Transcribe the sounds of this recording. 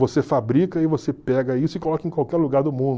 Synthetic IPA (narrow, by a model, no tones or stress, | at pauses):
vosefabɾikɐɪvosepɛɡɐisʊɪkolɔkɐẽkwawkɛɾluɡaɾd̪ʊmũnd̪